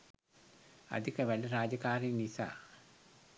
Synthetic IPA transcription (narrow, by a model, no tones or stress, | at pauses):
ɐ̰d̪ikːɐʋɐlɐraːd͡ʑɐkaːrinisa̰